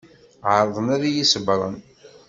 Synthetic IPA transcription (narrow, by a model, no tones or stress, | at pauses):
ʕəɾˤəðˤənæɾajisəbɾˤə̰n